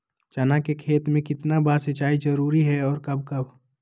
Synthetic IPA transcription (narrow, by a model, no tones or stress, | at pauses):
t͡ʃɐnãkekʰeːt̪mẽkɪt̪nabaːɾsɪt͡ʃaːid͡ʒɐɾuːɾiɦɛɔːɾkɐb̚ʱkɐbʱ